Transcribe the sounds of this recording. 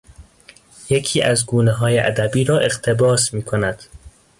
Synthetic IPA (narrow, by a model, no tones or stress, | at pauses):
jekʰiːʔæzɡuːneɦɒːjeʔæ̰d̪æbiːɾɒːʔe̞ɣt̪ʰe̞bɒːsmiːkʰonæd̪̥